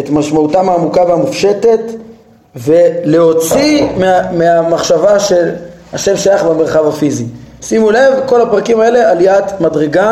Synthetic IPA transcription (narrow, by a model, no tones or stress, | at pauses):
etmaʃmautameːmukaveamufʃe̞te̞t | ve̞le̞ɦo̞t͡simmeamaχʃavaʃe̞l | haʃe̞mʃajaχbeme̞ʁχavafizisimulevko̞lapʁakimae̞le̞aliat̪madʁeɡa